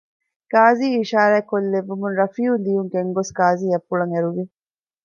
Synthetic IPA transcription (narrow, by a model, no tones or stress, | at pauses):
ɡ̥aːziːiʃaːɾæːkolːeʋːumunɾɐfiːund̪ijuŋɡeŋɡosɡaːziːɐfːuɭɐŋeɾuʋi